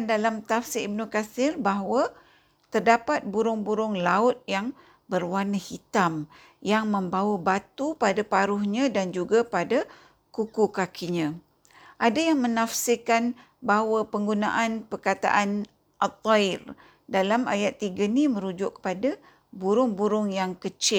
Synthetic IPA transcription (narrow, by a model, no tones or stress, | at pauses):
ndalamt̪afsɪib̚nukasɪrbaɦwə | t̪ərdapat̪̚buɾʊŋbuɾʊŋlaʊt̪̚jaŋ | bərwanəhit̪am | jaŋmə̃mbawabat̪upadapaɾʊhɲãdand͡ʒuɡapada | kukukakʰiɲã | ʔadajaŋmənafsəkan | baɦwapəŋɡuna̰ʔanpərkat̪a̰ʔan | ʔat̪ˤːɔɪr | dalama̰jat̪ːiɡanimə̃ɾud͡ʒʊʔkːə̥pada | buɾʊŋbuɾʊŋjaŋkət͡ʃɪl